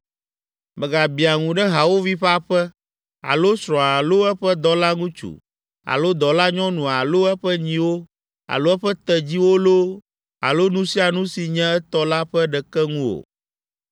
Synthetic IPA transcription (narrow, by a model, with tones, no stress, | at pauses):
mɛ˨ɡa˨bi˨a˨ŋũ˨ɖɛ˦ɦa˨wo˦vi˦ɸa˦ɸɛ˦ | a̰˨lo˦sɾɔ̃˨a˨lo˦ɛ˦ɸɛ˦d̪ɔ˨la˦ŋũ˦t͡ʃṵ˨ | a̰˨lo˦d̪ɔ˨la˦ɲɔ̃˦nũ˨a˨lo˦ɛ˦ɸɛ˦ɲĩ˨wo˦ | a̰˨lo˦ɛ˦ɸɛ˦t̪ɛ˨d͡ʑi˦wo˦lo˦ | a̰˨lo˦nũ˦si˦a˨nũ˦si˨ɲɛ̃˦ɛ˦t̪ɔ˦la˦ɸɛ˦ɖɛ˨kɛ˦ŋũ˦o̰˨